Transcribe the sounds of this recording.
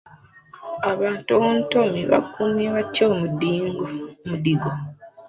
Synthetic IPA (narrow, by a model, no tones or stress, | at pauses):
aβaːntuwontomiβa̰kːumjeβatːoːmudiːŋɡmudiɡo